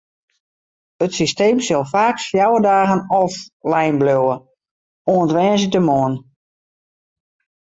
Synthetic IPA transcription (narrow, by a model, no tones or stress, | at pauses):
ətsisteːmsɔlˠfaːksfjawədaːɣənɔflɛjnblowə | oəntʋɛːnzədəmoən